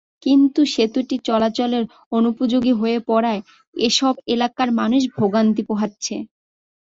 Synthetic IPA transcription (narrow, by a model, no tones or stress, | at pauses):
kint̪uʃet̪uʈit͡ɕɔlat͡ɕoleɾ | onupod͡ʑoɡiɦoepɔɾae | eʃɔbelakaɾmanuʃ̬bʱoɡant̪̬ipoɦatːɕʰe